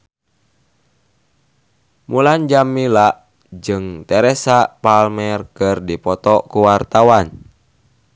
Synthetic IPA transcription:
muland͡ʒamːilaʔ | d͡ʒɨŋt̪ɛɾɛsapalmɛrkɨrdipɔt̪ɔkuwart̪awan

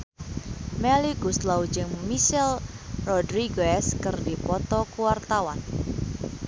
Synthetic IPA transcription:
mɛliɡust̪lawud͡ʒəŋmmisɛlrɔdɾiɡɛskərdipɔt̪ɔkuwart̪awan

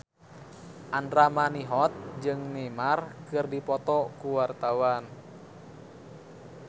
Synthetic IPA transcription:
ʔandɾamaniɦɔt̪̚d͡ʒɨŋnɛmarkɨrdipɔt̪ɔkuwart̪awan

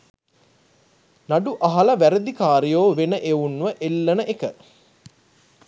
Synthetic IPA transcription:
naɖuʔaɦɐlɐʋæɾəd̪ikaːɾijoːʋenəʔeunʋəʔelːənəʔekə

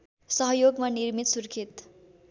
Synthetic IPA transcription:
sʌɦʌjoɡmanirmit̪surkʰit̪

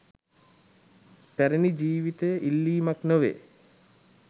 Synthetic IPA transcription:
pæɾenid͡ʒiːʋit̪əjʔilːiːmaknəʋḛː

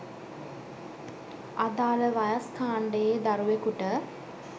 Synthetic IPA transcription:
ad̪aːləʋajaskaːɳɖəjed̪aɾuʋekuʈə

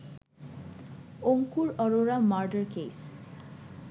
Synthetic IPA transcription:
oŋkuɾɔɾoɾamaɾɖəɾkejs

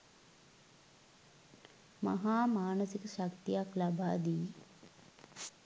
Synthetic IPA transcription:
ma̰ɦaːmaːnəsikəʃakt̪ijaklabaːd̪iː

